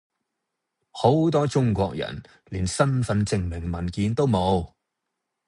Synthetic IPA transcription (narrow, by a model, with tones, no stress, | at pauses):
ho˨˥wt̪ɔː˥t͡ʃʊ˥ŋkʷɔː˧k̚jɐ̰˨˩n | liː˨˩nsɐ˥nfɐ˨˧nt͡sɪ˧ŋmɪ˨˩ŋmɐ˨˩nkiː˨˧nt̪o˥wmo˨˧w